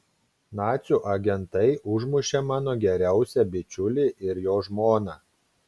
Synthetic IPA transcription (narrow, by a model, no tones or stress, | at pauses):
nɑːt̪sʲuːˑʔɐɡʲɛnt̪ɐɪʔʊʒmʊʃʲeːmɑːnoːɡʲɛɾʲæˑʊsʲɛbʲɪt͡ʃʲʊlʲiːˑʔɪɾjoːʒmoːnɑː